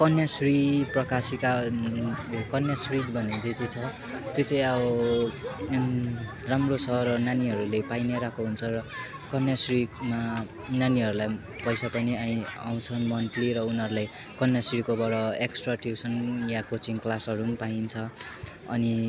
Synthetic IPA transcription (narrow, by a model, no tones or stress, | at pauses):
kʌnjasriprʌkasika | kʌnjasrid̪bʱʌned͡zet͡sʌ̃t͡sʰʌ | t̪jot͡sãĩʌbʌ | ramrosʰʌrʌnaniɦʌɾulepajneɾakʰoɦunt͡sʰʌrʌ | kʌnjasrima | naniɦʌɾulaj | pʌjsapʌniãĩa̰w̃t͡sʰʌnmʌnʈliɾʌunɦʌɾulaj | kʌnjasrikobʌɽʌeksʈraʈiwsʌnjãkot͡siŋklasɦʌɾumpaint͡sʰʌ | ʌni